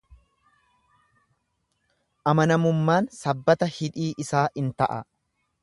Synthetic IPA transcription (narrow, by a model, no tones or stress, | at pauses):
ʔɐmɐnɐmʊmːaːnsɐbːɐt̪ɐhɪᶑiːʔɪsaːʔɪnt̪ɐʔɐ̰